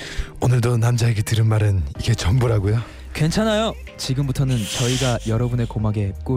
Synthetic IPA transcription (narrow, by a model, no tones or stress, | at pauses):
onɯɭdonamd͡ʑaeɡetɯɾɯnmaɾɯniɡe̞t͡ɕʌmbuɾaɡojo | kwe̞nt͡ɕʰanajo | t͡ɕiɡɯmbutʰʌnɯnt͡ɕʌiɡajʌɾʌbune̞komaɡeɦet̚k͈o